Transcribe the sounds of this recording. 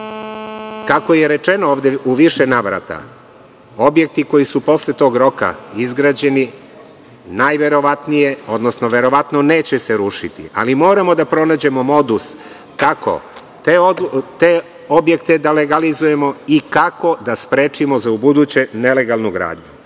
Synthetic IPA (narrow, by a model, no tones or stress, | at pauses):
kako̞je̞ɾe̞t͡ʃe̞nooːʋd̪eʔuʋiʃe̞naːʋɾa̰t̪a̰ | o̞bje̞k̚t̪iko̞jisupo̞slet̪o̞ːɡɾo̞ka̰izɡɾaːd͡ʑe̞ni | najʋe̞ɾo̞ʋat̪nije̞o̞d̪no̞sno̞ʋe̞ɾo̞ʋat̪none̞ːt͡ɕeseɾuːʃit̪ḭʔa̰limo̞ːɾamo̞d̪apɾo̞naːd͡ʑe̞mo̞mo̞d̪us | kakʰo̞̰ | t̪eot̪e | o̞bje̞kt̪e̞d̪ale̞ɡalizuje̞mo̞ikako̞d̪aspɾe̞ːt͡ʃimo̞zaubud̪ut͡ɕe̞ne̞le̞ɡalˠnuɡɾa̰ːd̪ɲu